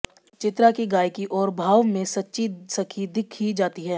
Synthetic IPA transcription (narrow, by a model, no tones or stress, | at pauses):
t͡ʃɪt̪ɾakiɡaːjkiʔɔːɾbʱaːʋmẽsɐtːʃisɐkʰid̪ɪkʰːid͡ʒaːt̪iɦɛː